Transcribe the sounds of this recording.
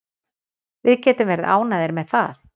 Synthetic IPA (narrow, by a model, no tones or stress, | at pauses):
vɪðcɛːt̪ʏmvɛːɾɪða̰ːwnaðɪɾmɛðθaθ